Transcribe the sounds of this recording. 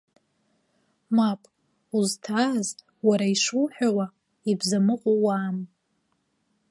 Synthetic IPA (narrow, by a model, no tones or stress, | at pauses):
mapʼ | uztʰaz | waɾaiʂuwħᶣawa | ibzamɨqʷʼowaːm